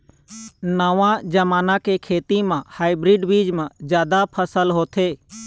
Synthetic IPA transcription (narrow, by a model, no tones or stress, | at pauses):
nəʋãd͡ʒəmaːnãkekʰeːt̪imãhaːɪbɾɪːɖbiːd͡ʒmãd͡ʒjaːd̪apʰəsəlɦoːt̪ʰeː